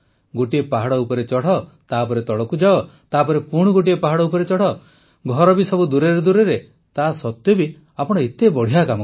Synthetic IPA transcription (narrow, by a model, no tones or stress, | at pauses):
ɡoʈiepaɦaɽɔupɔɾet͡ʃɔɽ̤ɔt̪aːpɔɾet̪ɔɭɔkud͡ʒaɔt̪apɔɾepuɽ̃ɔɡoʈ̬iepaɦaɽɔupɔɾet͡ʃɔɽ̤ɔ | ɡʱɔɾɔbisɔbud̪uɾeɾed̪uɾeɾe | t̪asɔt̪jɔbi | apɔɽ̃ɔet̪ebɔɽ̤ijakamɔ